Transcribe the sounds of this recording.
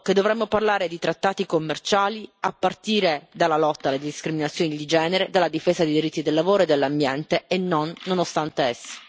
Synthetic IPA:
ked̪ovɾɛmːoparlaːɾed̪it̪ɾat̪ːaːt̪ikomːert͡ʃaːliapːart̪iːɾed̪alːalɔt̪ːaːlːed̪iskɾiminat̪sːjoːnid̪id͡ʒɛːneɾed̪alːad̪ifeːzad̪ejd̪iɾit̪ːid̪elːavoːɾoed̪ːelːambjɛnt̪eːnːonːonost̪ant̪eesːi̥

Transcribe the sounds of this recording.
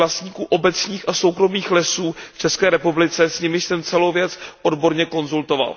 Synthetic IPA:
last̪ɲiːkuːʔo̞bɛt͡sɲiːxʔaso̞wkɾo̞miːxlɛsuːft͡ʃɛskɛːɾɛpublɪt͡sɛsɲɪmɪʃsɛmt͡sɛlo̞wvjɛt͡sʔo̞dbo̞ɾɲɛko̞nzult̪o̞va̰l

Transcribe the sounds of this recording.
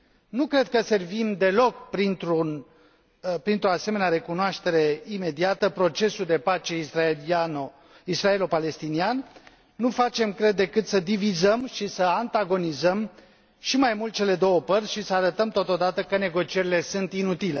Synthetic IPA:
nukɾe̞d̪̚kəse̞rvimd̪e̞lo̞kpɾint̪ɾun | pɾint̪ɾo̞ase̞me̞neaɾe̞kunoaʃt̪e̞ɾe̞ime̞d̪iat̪əpɾo̞t͡ʃe̞suld̪e̞pat͡ʃe̞iaao | isɾae̞lopale̞st̪inianː | ufat͡ʃe̞mkɾe̞d̪ːe̞kɨt̪səd̪ivizəmʃisəant̪aɡo̞nizəm | ʃimajmult̪̚t͡ʃe̞le̞d̪o̞wəpərt̪ʲʃisəaɾət̪əmt̪ot̪o̞d̪at̪əkəne̞ɡo̞t͡ʃie̞ɾile̞sɨnt̪inut̪ile̞

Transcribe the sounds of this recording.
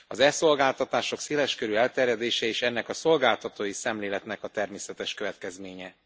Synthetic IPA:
ɒzɛso̞lɡaːlt̪ɒt̪aːʃo̞kseːlɛʃkøɾyɛlt̪ɛrjɛd̪eːʃɛeːʃɛnːɛkɒso̞lɡaːlt̪ɒt̪oːjisɛmleːlɛt̪nɛkɒt̪ɛrmeːsɛt̪ɛʃkø̞vɛt̪kɛzmeːɲɛ

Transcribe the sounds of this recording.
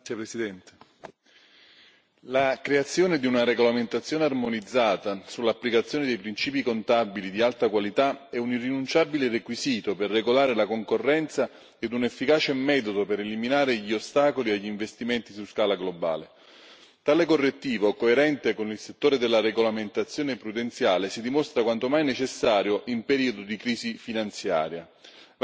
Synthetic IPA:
epɾesid̪ɛnt̪e | lakɾeat̪sːjoːned̪iunaɾeɡolament̪at̪sːjoːnearmonid̪zːaːt̪asulːapːlikat̪sːjoːned̪ejpɾint͡ʃiːpikont̪abilid̪ialt̪akwalit̪aɛunirːinunt͡ʃabilerekwiziːt̪operːeɡolaːɾelakoŋkorːɛnt̪sa | ed̪unefːikaːt͡ʃemɛt̪od̪opeɾeliminaːɾeʎiost̪aːkoliaʎːiɱvest̪iment̪isuskaːlaɡloba̰ːle | t̪aːlekorːet̪ːiːvokoeɾɛnt̪ekonilset̪ːoːɾed̪elːaɾeɡolament̪at̪sːjoːnepɾud̪ent̪sjaːlesid̪imost̪ɾakwant̪omajnet͡ʃesːaːɾjoʔimpeɾiːod̪od̪ikɾiːzifinant̪sja̰ːɾja

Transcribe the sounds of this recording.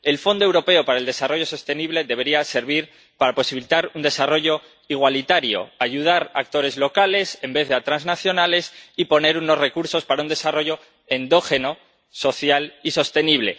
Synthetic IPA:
e̞lfo̞nd̪oewɾo̞pe̞opaɾaeld̪e̞saro̞ʝo̞so̞st̪e̞niβle̞ðe̞βe̞ɾiase̞ɾβ̞iɾ | paɾapo̞siβilit̪aɾund̪e̞saro̞ʝo̞ | iɣ̞walit̪aɾjo̞̰aʝuð̞aɾa̰k̚t̪o̞ɾe̞zlo̞kale̞se̞mbe̞θðeat̪ɾanznaθjo̞nale̞sipo̞ne̞ɾuno̞sre̞kuɾso̞spaɾaund̪e̞saro̞ʝo̞ | e̞nd̪o̞xe̞no̞ | so̞θjaliso̞st̪e̞niβle̞̰

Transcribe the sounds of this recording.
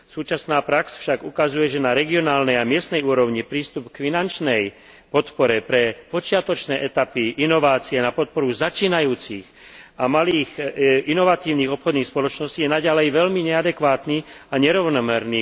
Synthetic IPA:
suːt͡ʃasnaːpɾaksfʃaɡukazujɛʒɛnaɾɛɡiɔnaːlnɛjamɪɛst̪nɛjuːɾɔʊɲipɾiːst̪upkfinant͡ʃnɛj | pɔt̪pɔɾɛpɾɛpɔt͡ʃɪat̪ɔt͡ʃnɛːʔɛt̪apiʔinɔʋaːt͡siɛnapɔt̪̚pɔɾuzat͡ʃiːnajuːt͡six | amaliːɣinɔʋat̪iːʊniːɣɔpxɔd̪niːxspɔlɔt͡ʃnɔsciːjɛnaɟalɛjʋɛʎmiɲɛad̪ɛkʋaːt̪niaɲɛɾɔʊnɔmɛɾniː

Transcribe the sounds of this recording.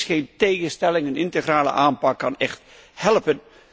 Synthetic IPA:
xeːnteːɣənstɛlɪŋənɪntəɣraːlə̰ʔaːnpɑkːɑnɛxt | hɛlˠpən

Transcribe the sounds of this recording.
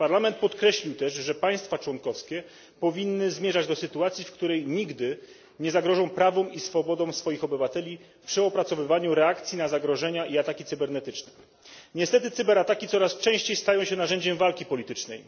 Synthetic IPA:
paɾlamɛnt̪̚pɔt̪kɾɛɕlʲiwt̪ɛʂʐɛpaj̃st̪fat͡ʂwɔŋkɔfskʲɛ | pɔvʲinːɘzmʲjɛʐad͡ʑd̪ɔsɘt̪uat̪sʲifkt̪uɾɛjɲiɡd̪ɘ | ɲɛzaɡɾɔʐɔ̃w̃pɾavɔ̃w̃isfɔbɔd̪ɔ̃w̃sfɔjixɔbɘvat̪ɛlʲi | fpʂɘɔpɾat̪sɔvɘvaɲuɾɛakt̪sʲinazaɡɾɔʐɛɲaʔiat̪akʲit̪sɘbɛɾnɛt̪ɘt͡ʂnɛ̥ | ɲɛst̪ɛt̪ɘt̪sɘbɛɾat̪akʲit̪ɔɾast͡ʂɛ̃w̃ɕt͡ɕejst̪ajɔ̃w̃ɕɛnaʐɛɲd͡ʑɛmvalkʲipɔlʲit̪ɘt͡ʂnɛ̰j

